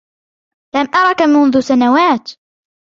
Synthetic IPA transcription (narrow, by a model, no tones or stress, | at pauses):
lamʔɑɾˤɑkamʊnðʊsanawaːt̪